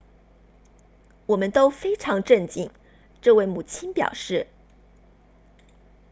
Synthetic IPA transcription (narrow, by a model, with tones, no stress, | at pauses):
wɔ˨˩mə˦nt̪o˥ʊfe˥ɪʈ͡ʂʰɑ˧˥ŋʈ͡ʂə˥˧nt͡ɕi˥˩ŋ | ʈ͡ʂɤ˥˧we˥˩ɪmu˨˩t͡ɕʰi˥npjɑ̰˨˩ʊʂɻ̩˥˩